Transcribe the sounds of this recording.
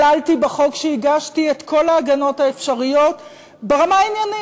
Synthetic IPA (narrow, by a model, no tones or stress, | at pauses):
altibaχo̞kʃeiɡaʃtietkʰo̞laːɡano̞taefʃaʁijo̞t | beʁamainjani